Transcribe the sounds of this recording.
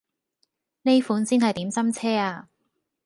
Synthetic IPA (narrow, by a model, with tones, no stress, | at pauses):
ne˥jfuː˨˥nsiː˥nhɐ˨jt̪iː˨˥msɐ˥mt͡sʰɛː˥aː˧